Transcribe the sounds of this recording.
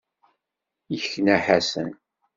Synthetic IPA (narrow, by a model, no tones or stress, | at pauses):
jəçnæħasə̰n